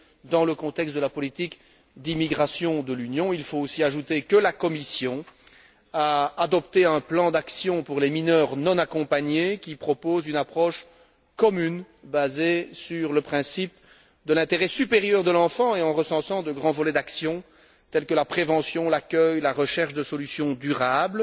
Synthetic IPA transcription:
d̪ɑ̃ləkɔ̃t̪ɛkst̪d̪əlapɔlit̪ik | d̪imiɡʁasjɔ̃d̪əlynjɔ̃ilfoosiaʒut̪ekəlakɔmisjɔ̃ | aːd̪ɔpt̪eɛ̃plɑ̃d̪aksjɔ̃puʁleminœːʁnɔ̃nakɔ̃paɲekʲipχɔpozynapχɔʃ | kɔmyn | bazesyʁləpχɛ̃sip | d̪əlɛ̃t̪eʁɛsypeʁjœʁd̪əlɑ̃fɑ̃eɑ̃ʁəsɑ̃sɑ̃d̪əɡʁɑ̃vɔlɛd̪aksjɔ̃ | t̪ɛlkəlapχevɑ̃sjɔ̃lakʲœjlaʁəʃɛʁʃd̪əsɔlysjɔ̃d̪yʁabl

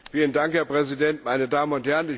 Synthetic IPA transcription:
fiːləndaŋkhɛɐpʁ̥ɛzidɛntmaɪnədaːmənʊnthɛɐʁənɪç

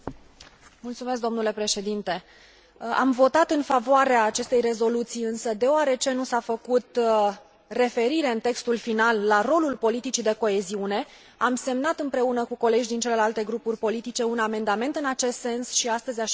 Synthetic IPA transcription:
mult̪sumes̬k̚d̪o̞mnule̞pɾe̞ʃe̞d̪int̪e̞ | a̰mvo̞t̪at̪ɨnfavoaɾeaːt͡ʃe̞st̪e̞jre̞zo̞lut̪sijɨnsəd̪e̞oaɾe̞t͡ʃe̞nusafəkut̪ | re̞fe̞ɾiɾe̞ɨnt̪e̞kst̪ulfinalːaro̞lulpo̞lit̪it͡ʃid̪e̞ko̞e̞ziune̞ | amse̞mnat̪ɨmpɾe̞unəkuko̞le̞d͡ʒd̪int͡ʃe̞le̞lalt̪e̞ɡɾupurʲpo̞lit̪it͡ʃe̞uname̞nd̪ame̞nt̪ɨnat͡ʃe̞st̪se̞nsʃiast̪əzʲa

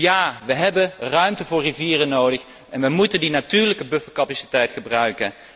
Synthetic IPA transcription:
jaːʋəɦɛbənrœɥmtəvʊːɹriviːrənowdəχ | ʔɛnʋəmutəndinatyːɹləkəbɵfəlkɑpasi̥tɛjtχəbrœɥkən

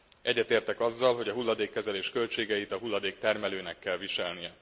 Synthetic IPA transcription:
ʔɛɟːɛt̪eːrt̪ɛkɒzːɒlɦo̞ɟɒɦulːɒd̪eːkːɛzɛleːʃkø̞lt͡ʃeːɡɛjit̪ɒɦulːɒd̪eːk̚t̪ɛrmɛløːnɛkːɛlviʃɛlnijɛ

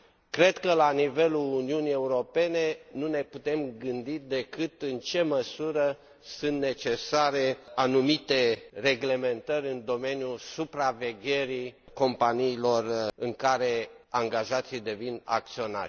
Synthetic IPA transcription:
kɾe̞d̪kəlanive̞luluniunie̞uɾo̞pe̞ne̞nune̞put̪e̞mɡɨnd̪id̪e̞kɨt̪ɨnt͡ʃe̞məsuɾə | sɨnt̪ne̞t͡ʃe̞saɾeanumit̪e̞re̞ɡle̞me̞nt̪əɾʲɨnd̪o̞me̞njusupɾave̞ɡʲe̞ɾi | ko̞mpaniːlo̞rɨŋkaɾe̞aŋɡaʒat̪sid̪e̞vina̰k̚t̪sio̞na̰ɾʲ

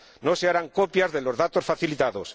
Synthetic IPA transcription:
noseaɾaŋkopjazðe̞lo̞zðat̪o̞sfaθilit̪aðos

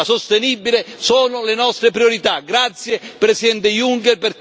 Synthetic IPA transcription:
asost̪enibːilesoːnʊlenɔst̪ɾepɾioɾit̪aɡɾat̪sjepɾesid̪ɛnt̪ejuŋkɛrper

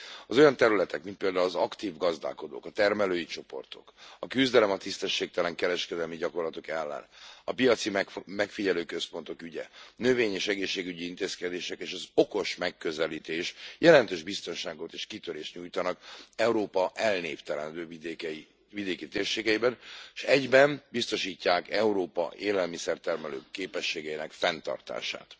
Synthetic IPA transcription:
ɒzo̞jɒnt̪ɛɾylɛt̪ɛkmint̪peːld̪aːulɒzɒkt̪iːvɡɒzd̪a̰ːko̞d̪o̰ːkɒt̪ɛrmɛløːjit͡ʃo̞po̞̰rt̪o̞̰kɒkyzd̪ɛlɛmɒt̪ist̪ɛʃːeːk̚t̪ɛlɛŋkɛɾɛʃkɛd̪ɛlmiɟɒko̞rlɒt̪o̞kɛlːɛ̰nɒpijɒt̪simmɛkfiɟɛløːkøspo̞nt̪o̞kyɟɛ̰nø̞veːɲeːʃɛɡeːʃːeːɡyɟiint̪eːskɛd̪eːʃɛkeːʃɒzoko̞ʃmɛkːøzɛliːt̪eːʃjʔɛlɛnt̪øːʒbist̪o̞nʃaːɡo̞t̪eːʃkit̪øɾeːʃt̪ɲuːjt̪ɒnɒkɛuɾoːpɒʔɛlneːft̪ɛɾɛnd̪øːvid̪ekɛi | vid̪eːkit̪eːrʃeːɡɛjibɛnʃɛɟbɛnbist̪o̞ʃiːcːaːkɛuɾoːpɒ̰ʔeːlɛlmisɛrt̪ɛrmɛlø̰ːkːeːpɛʃːeːɡɛinɛkfɛnt̪ɒ̰rt̪a̰ːʃa̰ːt̪

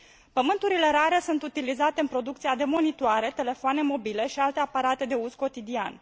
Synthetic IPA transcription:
pəmɨnt̪uɾile̞ɾaɾe̞sunt̪ut̪ilizat̪e̞ɨnpɾo̞d̪uk̚t̪siad̪e̞mo̞nit̪oaɾe̞t̪e̞le̞foane̞mo̞bile̞ʃialt̪e̞apaɾat̪e̞d̪e̞uzko̞t̪id̪ia̰n

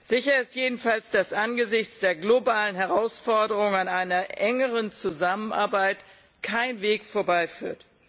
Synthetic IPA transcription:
z̥ɪçɐɪstjeːdn̩falsd̥asʔanɡəzɪçt͡sd̥eːɐɡlobaːlənɦɛʁ̞aʊsfɔɐdəʁʊŋanʔaɪnɐʔɛŋəʁənt͡suzamənʔa̰ːɐbaɪt | kʰaɪnveːkfoːɐbaɪfy̰ːɐt

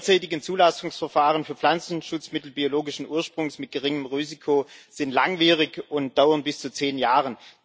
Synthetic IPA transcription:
t͡saɪtɪɡnt͡suːlasʊŋsfɛɐfaːʁənfyːɐpflant͡sn̩ʃʊt͡smɪtl̩bioloːɡɪʃn̩ʔuːɐʃpʁ̥ʊŋsmɪt̚ɡ̥əʁɪŋəmʁiːzikʰoz̥ɪntlaŋviːʁɪçʊnt̚d̥aʊɐnbɪst͡sut͡seːnjaːʁən

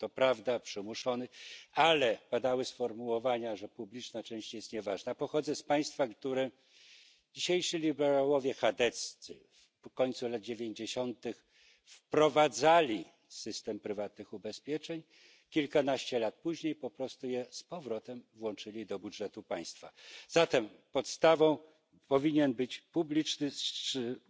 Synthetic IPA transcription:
t̪ɔpɾavd̪apʂɘmuʂɔnɘalɛpad̪awɘsfɔɾmuwɔvaɲaʐɛpublʲit͡ʂnat͡ʂɛ̃w̃ɕt͡ɕjɛst̪ɲɛvaʐnapɔxɔd̪zɛspaj̃st̪fakt̪uɾɛ | d͡ʑiɕejʂɘlʲibɛɾawɔvʲjɛxad̪ɛt̪st̪sɘ̰ | f | kɔɲʲt̪sulad̪̚d͡ʑevʲjeɲd͡ʑeɕɔnt̪ɘx | fpɾɔvad̪zalʲi | sɘst̪ɛmpɾɘvat̪nɘxubɛspʲjɛt͡ʂɛɲ | kʲilkanaɕt͡ɕɛlat̪̚puʑɲejpɔpɾɔst̪ujɛspɔvɾɔt̪ɛmvwɔnt͡ʂɘlʲid̪ɔbudʐɛt̪upaj̃st̪fa̰zat̪ɛm | pɔt̪st̪avɔ̃w̃ | pɔvʲiɲɛnbɘt͡ɕpublʲit͡ʂnɘsʂɘ

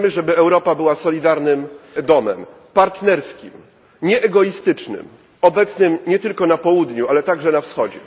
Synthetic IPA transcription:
mɘʐɛbɘɛwɾɔpabɘwasɔlʲid̪aɾnɘmd̪ɔmɛm | paɾt̪nɛɾskʲḭm | ɲɛʔɛɡɔist̪ɘt͡ʂnɘ̰m | ɔbɛt̪snɘmɲɛt̪ɘlkɔnapɔwud̪ɲualɛt̪aɡʐɛnafsxɔd͡ʑɛ̰

